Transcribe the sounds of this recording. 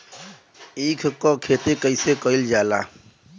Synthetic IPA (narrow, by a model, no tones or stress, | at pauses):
iːkʰkɔkʰet̪ekəɪsekəild͡ʒaːla̰